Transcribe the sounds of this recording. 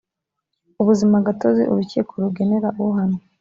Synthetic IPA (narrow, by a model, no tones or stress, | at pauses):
uβuzimaɡato̞zḭʔṵɾucikʰoɾuɡe̞neɾaʔuɦano